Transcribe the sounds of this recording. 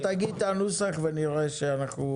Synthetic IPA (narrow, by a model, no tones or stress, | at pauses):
t̪aɡit̪anusaχveniɾeʃeanaχnu